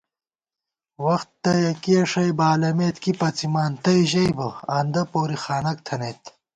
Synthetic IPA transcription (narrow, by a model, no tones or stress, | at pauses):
wɐxt̪ːɐjɐkiɐʂɐjbaːlɐmeːt̪kipɐt͡simaːnt̪ɐjʑɐjbɐaːnd̪ɐpoːɾixaːnɐk̚t̪ʰɐnet̪